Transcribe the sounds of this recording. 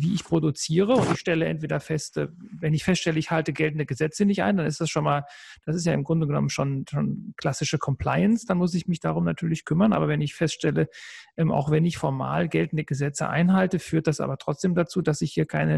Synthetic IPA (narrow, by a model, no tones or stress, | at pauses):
viːʔɪçpʁ̥odut͡siːʁ̞əʊntɪçʃtɛləʔɛ̰ntv̥eːdɐfɛstʔɛ̰vɛnɪçfɛstʃtɛləɪçhaltəɡɛltn̩dəɡəzɛt͡sənɪçtʔa̰ɪndanɪstd̥asʃonmaːl | d̥asɪstjaːɪmɡʁʊndəɡənɔ̰mənʃoːnʃoːnkl̥asɪʃəkʰɔmpl̥aɪənsd̥anmʊs̬ɪçmɪd̥aʁ̞ʊmnatʰyːɐlɪçkʰʏmɐnʔa̰ːbɐvɛnɪçfɛstʃtɛləʔɛmʔa̰ʊxv̥ɛnɪçfɔɐma̰ːlɡɛltn̩dəɡəzɛt͡sə̰ʔa̰ɪnɦaltəfyːɐt̚d̥asʔa̰ːbɐtʁ̥ɔt͡sd̥eːmdat͡suːdasɪçhiːɐkʰaɪnə